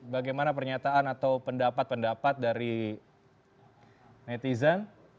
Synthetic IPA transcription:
baɡajmanapərɲat̪aanat̪awpəndapat̪̚pəndapat̪̚daɾi | net̪izan

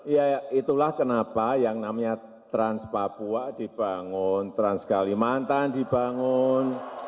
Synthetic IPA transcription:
jait̪ulahkənapajaŋnamaɲa | t̪ɾanspapuad̪̥i̤b̥aŋʊnt̪ɾanskalimant̪and̪̥i̤baŋʊn

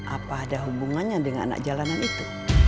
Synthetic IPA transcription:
ʔa̰paːdaɦubuŋanɲadəŋana̰na̰k̚d͡ʒalananit̪u

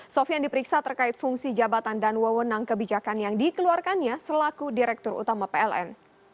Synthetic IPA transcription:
sɔfijaŋdipəɾiksat̪ərkaɪt̪̚fuŋsid͡ʒabat̪andanwəwənaŋkəbid͡ʒakanjaŋdikəluarkanɲasəlakudiɾɛk̚t̪ʊrṵt̪amapeɛlɛ̰n

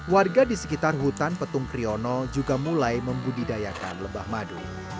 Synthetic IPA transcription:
warɡadisə̥kit̪arɦut̪anpət̪ʊŋkɾiɔnɔd͡ʒuɡamulajməmbudidajaka̰nləbahmadu

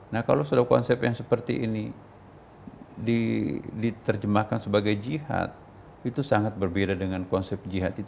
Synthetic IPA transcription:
nahka̰lowsadakɔ̰nsɛpjaŋsəpərt̪iʔini | didit̪ərd͡ʒəmahkansəbaɡajd͡ʒiha̰t̪̚ | it̪usaŋat̪̚bərbedadəŋankɔnsɛp̚d͡ʒiɦat̪i

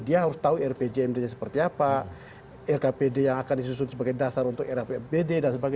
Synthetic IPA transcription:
diaɦaɾʊst̪auɛrped͡ʒeɛmdaɲasəpərt̪iapa | ɛrkapedejaŋakandisus̬ʊnsəbaɡajdasaɾunt̪ʊkɛrapepededansəbaɡa

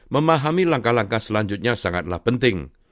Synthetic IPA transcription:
məmaɦamilaŋkalaŋkasəlaɲd͡ʒʊt̪̚ɲasaŋat̪̚la̰hpənt̪ɪŋ

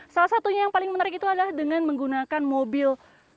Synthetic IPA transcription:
salasat̪uɲajaŋpalɪŋmənaɾɪkit̪uadalahdəŋanməŋɡunakanmobɪl

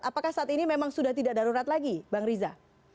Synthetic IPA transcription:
apakahsaʔat̪inimemaŋsudaht̪idaʔdaɾuɾat̪laɡibaŋɾiza

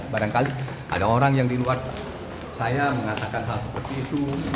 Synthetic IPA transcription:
baɾaŋkali | a̰daoɾaŋjaŋdiluar | sajaməŋat̪akansalasəpərt̪iːt̪u

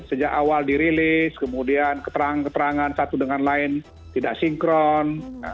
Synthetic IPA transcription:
səd͡ʒakawaldiɾilɪskəmudiankə̥t̪əɾaŋkət̪əɾaŋansat̪udəŋanlaɪn | t̪idaʔsiŋkɾɔn

